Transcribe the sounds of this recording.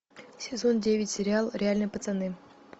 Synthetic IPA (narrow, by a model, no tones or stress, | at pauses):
sʲɪzo̞ndʲevʲɪtʲsʲɪɾʲɪalˠɾʲɪalʲnəjpət̪sɨnɨ